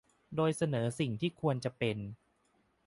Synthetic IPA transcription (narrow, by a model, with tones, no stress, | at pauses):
doː˧jsa˧nɤː˩˦si˨˩ŋt̪ʰiː˥˩kʰu˧ənt͡ɕa˨˩pe˧n